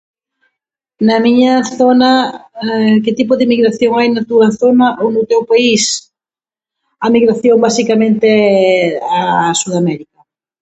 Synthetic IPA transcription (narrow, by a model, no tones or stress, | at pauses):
nɐmiɲɐθonɐ | kɪt̪ip̬ʊðɪmiɣɾaθjoŋajnɐt̪uɐθonɐʔownʊt̪ewpais | amiɣɾaθjoŋbasikamẽnt̪eɛasuðamɛɾikɐ